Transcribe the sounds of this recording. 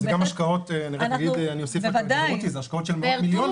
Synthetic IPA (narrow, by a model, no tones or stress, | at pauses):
ekamaʃkaoteaniʁanɡid̪aniosifvadut̪izeaʃkaotʃelmmiljon